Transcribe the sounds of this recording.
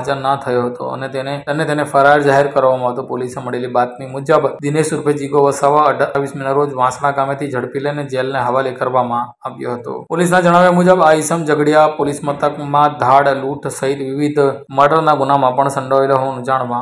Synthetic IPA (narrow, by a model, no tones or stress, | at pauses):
d͡ʒənːat̪ʰəjoɦət̪o̰ə̰net̪eneənːet̪enefəɾaɾd͡ʒaɦeɾkəɾʋamãʋt̪opoliseməɽelibat̪̚nimud͡ʒəbd̪ineʃuɾpʰed͡ʒiɡoʋəsaʋaəɖʋisminaɾod͡ʒʋãsɽ̃ãɡamet̪ʰid͡ʒʱəɽpilened͡ʒelneɦəʋalekəɾʋamãaʋjo̰ɦət̪o̰polisnãd͡ʒəɽ̃aʋjamud͡ʒəbaisəmd͡ʒəɡɽjapolismət̪əkmãd̪ʱaɽluʈʰsəɦit̪ʋiʋid̪ʱməɖəɾnaɡunamãpəɳsə̃ɳɖəʋeloɦoʋanũd͡ʒaɽ̃ʋã